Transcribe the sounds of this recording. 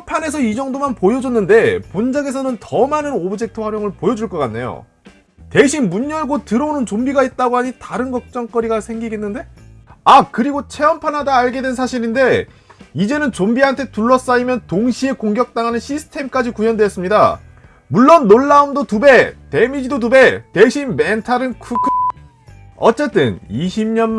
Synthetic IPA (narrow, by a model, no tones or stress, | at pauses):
pʰane̞s̬ʰʌid͡ʑʌŋdomanpojʌd͡ʑʌnːɯnde̞pond͡ʑaɡe̞s̬ʰʌnɯntʌmanɯnobɯd͡ʑe̞k̚tʰɯɸwaɾjoŋɯɭpojʌd͡ʑuɭk͈ʌk͈anːe̞̰jo̰ | te̞ɕʰinmuɲːʌɭɡotɯɾʌonɯnt͡ɕombiɡait̚t͈aɡoɦaɲitaɾɯnɡʌk̚t͡ɕ͈ʌŋk͈ʌɾiɡasʰe̞ŋɡiɡe̞nːɯnde̞akɯɾiɡot͡ɕʰe̞ʌmpʰanɦadaːɭɡe̞dwe̞nsʰaɕʰiɾinde̞ | id͡ʑe̞nɯnt͡ɕombiɦantʰe̞tuɭːʌs͈aimjʌntoŋɕʰie̞koŋɡjʌk̚t͈aŋɦanɯnɕʰisʰɯ̥tʰe̞mk͈ad͡ʑikujʌndweʌs͈ɯmɲida | muɭːʌnːoɭːaumdotube̞te̞mid͡ʑidot̬ube̞te̞ɕʰinme̞ntʰaɾɯnkʰukʰ | ʌ̰t͡ɕ͈e̞t͈ɯ̰niɕʰimɲʌnm